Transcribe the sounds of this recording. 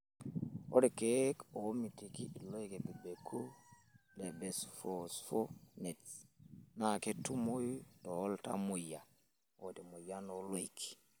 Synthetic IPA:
o̰˦ɾi˨keko˨˦mi˨ti˨ki˦i˨lo˦jke˨be˨be˨kʰu˦ | le˨be˨sfo˨sfo˦ne˨t͡sna˨ke˦tu˦mo˦jto˨˦lta̰˦mu˨ja˨ | o˨te˨mo˨ja˦no˦lo˦i˨kʰi̥˨

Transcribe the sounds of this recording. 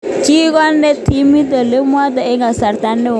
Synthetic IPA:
t͡ʃi˦ɡɔ˦nde˦ti˦mi˦d̪a˨le˦m˦a˦d̪a˨ɪ˦ŋa˨sa˨ɾt̪a˦nːɪ˦˨

